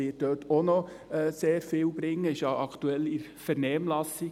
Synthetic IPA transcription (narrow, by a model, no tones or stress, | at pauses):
ɪːt̚døːtʰonɔ | ɛːseːɾfɪːwb̥ɾɪŋːəɪʃjɑʔɑkt̪uɛlɪɾ | fɛɾnɛːmlɑsi